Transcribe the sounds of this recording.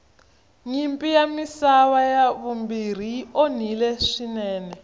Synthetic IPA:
ɲimpʼijamisaβajaβumbir̤ijon̤ilɛʂinɛːnɛ

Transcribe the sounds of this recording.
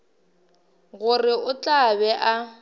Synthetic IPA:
ɣʊrɪʔʊt͡ɬʼabɛʔa

